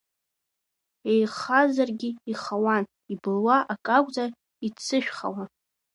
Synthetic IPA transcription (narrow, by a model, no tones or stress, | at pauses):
ejχazarɡʲɪiχawan | ibɨlwaʔakʼakʷʼd͡zʼa | it͡sʰɨʃᶣχa̰wan